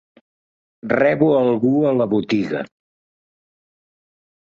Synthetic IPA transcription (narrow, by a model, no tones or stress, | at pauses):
rɛβuəlˠɣuələβut̪iɣə̰